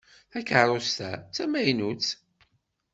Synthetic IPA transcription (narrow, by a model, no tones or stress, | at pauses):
ækəɾˤost̪æ̰t͡sːæmæjnut͡s